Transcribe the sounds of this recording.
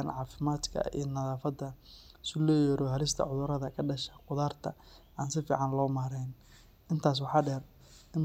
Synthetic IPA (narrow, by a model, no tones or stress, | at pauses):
nʕɑːfɪmaːd̪kʰɐ̰ḭːnɐðaːfɐd̪ɐsʊlɔːjɔɾɔɦɐlɪst̪ʰɐ̰ʕʊðʊɾɐðɐkʰɐɖɐʃɐqʊðaːrt̪ʰɐ | aːnsɪfḭːʕɑnlɔːmaːɾɛjn | ʔɪnt̪ʰaːs̬wɑħɑːɖɛr | ɪn